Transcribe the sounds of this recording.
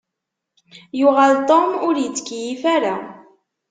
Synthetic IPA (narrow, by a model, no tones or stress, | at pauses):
jʊʁalt̪omʊɾjət͡sːkːjifaɾa